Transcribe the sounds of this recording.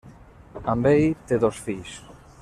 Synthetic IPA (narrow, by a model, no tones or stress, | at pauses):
ambejt̪eðosfijs